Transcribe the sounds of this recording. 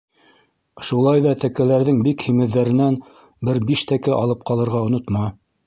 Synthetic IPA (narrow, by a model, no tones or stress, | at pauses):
ʃulˠɑjðɑt̪ækælæɾðɘŋbikhimɘ̆ðːæɾɘ̆næn | bɘɾbiʃt̪ækɘʔɑ̰lˠɤp̚qɑlˠɤ̆ɾʁɑŏnot̪mɑ